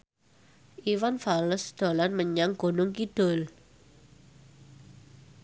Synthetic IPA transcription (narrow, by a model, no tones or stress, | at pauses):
ʔiwanfaləsd̪̥o̤lanməɲaŋɡ̥o̤nʊŋkid̥ɔ̤l